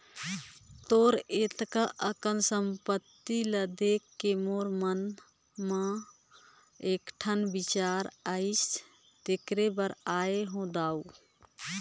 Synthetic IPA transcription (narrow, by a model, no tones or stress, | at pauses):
t̪oɾet̪kaʔəkənsəmpət̪ːiləd̪ekːemoɾmən | mə | ekʈʰənbit͡ʃaɾaɪs | t̪ekɾebəɾaeɦõd̪au